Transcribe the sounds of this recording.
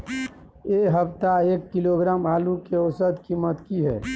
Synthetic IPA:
eːɦəpt̪aeːkːiloɡɾaːmaːlũkeɔsəd̪kimət̪kiɦɛ̰ː

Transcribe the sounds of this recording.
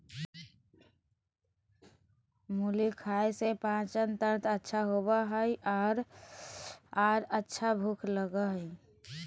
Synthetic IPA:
mulikʰaesepãt͡ʃənt̪əɾt̪ətːʃʰaɦobaɦəiʔɔːɾ | aːɾətːʃʰabʱukʰləɡəɦəi

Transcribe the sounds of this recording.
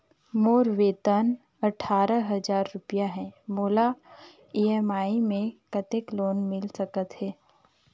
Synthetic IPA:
moːɾʋeːt̪ən | ɐʈʰaːɾəɦɐzaːɾːʊpijaɦɛ̃ːmoːla | iɛːmaːimẽkət̪ɪkloːnmɪlsɐkət̪ɦɛː

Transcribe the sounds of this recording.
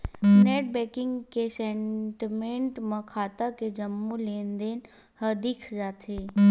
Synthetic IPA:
neːʈ̚bɛːkɪ̃ŋɡkesẽɳʈimẽɳʈmɐ̃kʰaːt̪aked͡ʒɐmːuleːnd̪eːn | həd̪ɪkʰd͡ʒaːt̪ʰeː

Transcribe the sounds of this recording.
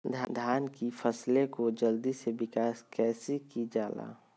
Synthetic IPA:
d̪ʱd̪ʱaːnkifʰɐslekod͡ʒəld̪isebɪkaːskɛːsikid͡ʒaːla̰ː

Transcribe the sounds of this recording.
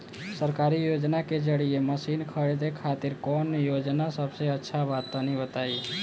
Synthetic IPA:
səɾkaɾijoːd͡ʒnaked͡ʒəɽieməsinkʰəɾed̪ekʰaːt̪ɪɾkɔnjoːd͡ʒnasəbseətːʃʰaʋat̪anibət̪ai

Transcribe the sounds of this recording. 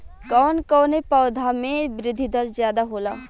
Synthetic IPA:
kɔːnkɔːnepɔːd̪ʱamẽbɾɪd̪ʱːid̪əɾzjaːd̪aɦoːlaː

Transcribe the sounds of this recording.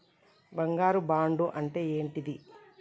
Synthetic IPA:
bɐŋɡaːɾubaːɳɖuʔɐɳʈe̞ːeːɳʈid̪i

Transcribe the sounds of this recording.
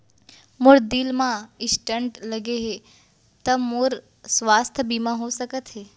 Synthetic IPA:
mʊɾd̪ɪlmãɪsʈəɳʈlɐɡeɦe | t̪ɐmʊɾ | sʋaːst̪ʰəbimãɦosəkət̪ɦeː

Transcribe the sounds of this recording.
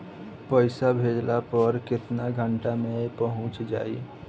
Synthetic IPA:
pəɪsabʱeːd͡ʒlapəɾkɪt̪naɡʱə̃ɳʈamẽpəɦʊ̃t͡ʃd͡ʒa̰ːḭ

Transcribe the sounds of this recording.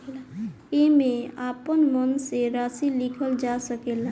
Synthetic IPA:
emeapənmənseɾasilikʰəld͡ʒasəkela

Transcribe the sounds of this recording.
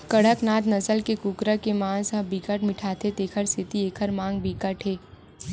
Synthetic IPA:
kəɽ̤əknaːt̪nɐsəlkekukɾəkemãːsə̃bikəʈmɪʈʰaːt̪ʰet̪eːkʰəɾsʰɪt̪ieːkʰəɾmãːŋɡ̚bʱikəʈɦeː

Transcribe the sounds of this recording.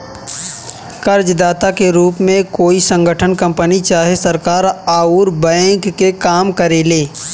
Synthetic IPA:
kəɾd͡ʒd̪aːt̪akeɾuːpmẽkoːisə̃ŋɡʱəʈʰənkə̃mpənit͡ʃaːɦesəɾkaːɾaːuɾbə̃kːekaːmkəɾeːleː

